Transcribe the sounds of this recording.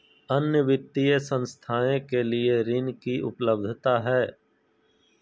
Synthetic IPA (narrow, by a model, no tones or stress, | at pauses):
ənjəʋɪt̪ːijəsə̃nst̪ʰaːẽkelieɾɪnkiʔʊ̰pləbd̪ʱt̪aɦɛː